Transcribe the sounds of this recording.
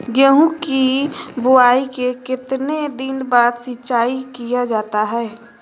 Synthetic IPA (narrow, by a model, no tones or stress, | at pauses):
ɡəɦũkibʊaːikekɪt̪ned̪ɪnbaːd̪sɪt͡ʃaːikijad͡ʒaːt̪aɦɛː